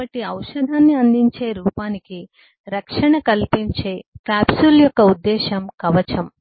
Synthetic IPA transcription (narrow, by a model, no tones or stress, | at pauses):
ɐʈiɐwʂɐd̪ʱaːnːiɐnd̪iɲt͡ʃe̞ːɾuːpaːniki | ɾɐkʂɐɳɐkɐlpiɲt͡ʃeːkaːbsuljɔkːɐud̪ːɛːʃɐmkɐʋɐt͡ʃɐm